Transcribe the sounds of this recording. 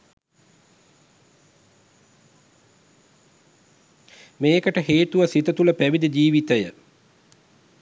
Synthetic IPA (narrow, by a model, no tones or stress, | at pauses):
meːkəʈəɦeːt̪uʋɐsit̪ət̪uləpæʋid̪ed͡ʑiːʋit̪əjə